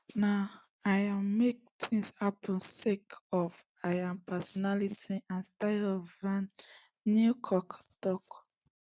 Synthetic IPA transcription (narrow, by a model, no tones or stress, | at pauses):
na | ajamek̚tʰĩŋshapʰə̃nsekɔv | ajãnpʰɛsɔnalitiãnstaɪvãnː | ukʰɔktɔk